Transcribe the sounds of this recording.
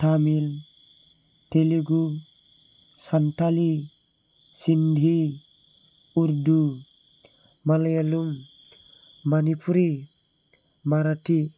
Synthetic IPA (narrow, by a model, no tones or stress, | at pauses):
tamil | teliɡu | santali | sindʱi | uɾdu | malajalum | manipuɾi | maɾati